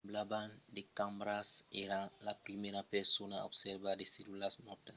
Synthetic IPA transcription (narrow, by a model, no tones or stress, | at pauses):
blaband̪ekãmbɾaseɾalapɾimeɾapeɾsonaobseɾbadeselulasmɔt̪a